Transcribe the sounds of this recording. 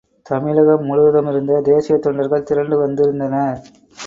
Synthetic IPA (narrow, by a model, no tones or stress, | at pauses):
t̪ɐmɪlɐɣɐmːʊɻɯʋɐðɐmɪɾɯnd̪ɐd̪eːsɪjɐt̪ːɔɳɖɐɾɣɐɭt̪ɪɾɐɳɖɯʋɐnd̪ɪɾɯnd̪ɐnɐ